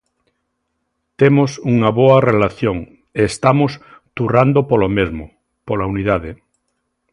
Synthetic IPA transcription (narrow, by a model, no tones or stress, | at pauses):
t̪emʊsuŋɐβoɐrelaθjoŋ | eːst̪amʊs | t̪urand̪opolomezmʊ | polauniðaðɪ